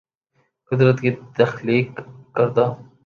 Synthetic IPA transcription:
kʊd̪ɾət̪kit̪ɐxliːkːɐɾd̪aː

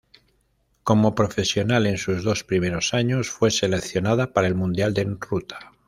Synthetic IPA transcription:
ko̞mo̞pɾo̞fe̞sjo̞nale̞nsuzðo̞spɾime̞ɾo̞saɲo̞sfwe̞se̞le̞kθjo̞naðapaɾae̞lmũnd̪jald̪enrut̪ḁ

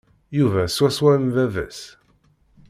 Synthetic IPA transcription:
juvæswæswæɾnðæðæ̰s

